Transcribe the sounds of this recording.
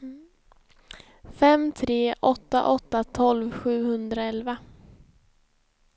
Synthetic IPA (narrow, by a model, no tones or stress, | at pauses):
fɛmt̪ʰɾeːʔɔt̪ːa̰ʔɔt̪ːat̪ʰɔlvɧʉ̟ːhɵnd̪ɾaɛlva